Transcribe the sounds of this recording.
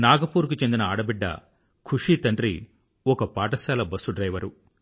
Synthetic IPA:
naːɡɐpuːɾk̬ut͡ʃe̞nd̪inɐaːɽɐbiɖːɐ̰ | kʰuʂiːt̪ɐɳɖɾi | ɔkɐpaːʈɐsaːlɐbɐsːuɖɾɐjʋɐɾu

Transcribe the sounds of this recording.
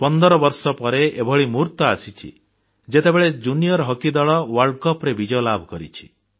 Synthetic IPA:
pɔnd̪ɔɾɔbɔɾsɔpɔɾeebʱɔɭimuɾt̪ɔasit͡ʃʰḭ | d͡ʒet̪ebeɭed͡ʒunijɔɾɔɦɔkid̪ɔɭɔwɔɾɖkɔpɾebid͡ʒɔɔlabʱɔkɔɾḭt͡ʃʰi̥

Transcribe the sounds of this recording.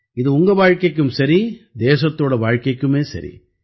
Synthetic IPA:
ɪðɯʊŋɡɐʋaːɻkɐɪkːɯmsɐɾid̪eːs̬ɐt̪ːoːɽɐʋaːɻkɐɪkːɯmeːsɐ̰ɾḭ

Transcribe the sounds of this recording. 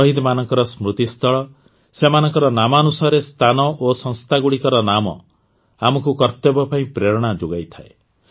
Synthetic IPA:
ɔɦid̪manɔŋkɔɾɔsmɾut̪ist̪ɔɭɔ | semanɔŋkɔɾɔnamanusaɾest̪ʰanɔʔosɔ̃ŋst̪ʰaɡuɽikɔɾɔnamɔ̰ | amɔkukɔɾt̪ebɔpaĩpɾeɾɔɽ̃ad͡ʒoɡajt̪ʰaḛ

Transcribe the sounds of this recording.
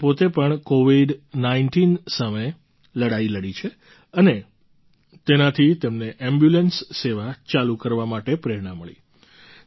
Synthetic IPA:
pot̪epəɳkoʋiɖnaiɳʈinsamə | ləɽailəɽit͡ʃʰe | əne | t̪enat̪ʰit̪emneʔɛmbjulənsːeʋat͡ʃalukəɾʋamaʈepɾeɾɳaməɭḭ

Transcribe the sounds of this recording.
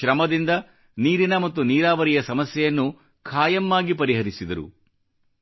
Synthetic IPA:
ɾɐmɐd̪ind̪ɐ | niːɾinɐmɐt̪ːuniːɾaːʋɐɾijɐsɐmɐsjɛjɐnːu | kʰaːjɐmːaːɡipɐɾiɦɐɾisid̪ɐɾṵ

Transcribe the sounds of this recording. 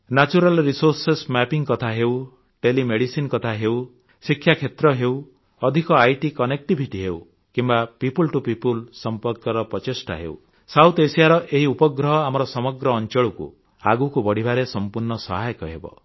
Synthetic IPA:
nat͡ʃuɾalɾisoɾsesmapiŋkɔt̪ʰaɦew | ʈelimeɽisinkɔt̪ʰaɦew | sikʰːjakʰet̪ɾɔɦew | ɔd̪ʱikɔajʈikɔnek̚ʈibʱiʈiɦew | kimbapipulʈupipulsɔmpɔɾkɔɾɔpɾɔt͡ʃesʈa̰ɦḛṵ | sawt̪esiaɾɔʔeɦiupɔɡɾɔɦɔamɔɾɔsɔmɔɡɾɔːnt͡ʃɔɭukṵ | aɡukubɔɽ̤ibʱaɾesɔmpuɾnɔsɔɦajkɔɦḛbɔ̰

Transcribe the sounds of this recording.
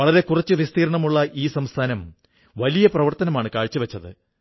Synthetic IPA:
ɐɭɐɾe̞kurɐt͡ɕːɨʋist̪ʰiːɾɐɳɐmuɭːɐʔiːsɐmst̪ʰaːnɐm | ʋɐlijɐprɐʋɐrt̪ɐnɐmaːɳɨkaːɻt͡ɕːɨʋet͡ɕːɐðɨ̰

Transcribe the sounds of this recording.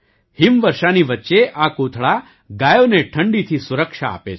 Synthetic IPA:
himʋəɾʃaniʋətːʃeʔakot̪ʰɭa | ɡajoneʈʰəɳɖit̪ʰisuɾəkʃaa̰pet͡ʃʰ

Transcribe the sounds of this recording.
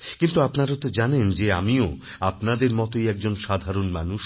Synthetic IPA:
kint̪uapnaɾat̪od͡ʑanend͡ʑea̰mio | apnad̪eɾmɔt̪ojɛk̚d͡ʑonʃad̪ʱaɾonmanuʃ

